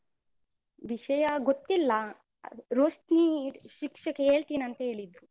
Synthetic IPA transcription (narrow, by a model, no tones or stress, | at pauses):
ʋiʃɐjɐɡot̪ːilːɐ | ɾoːsʈniʃikʂɐkeeːɭt̪iːnɐnt̪ɐɦe̞ːɭid̪ɾu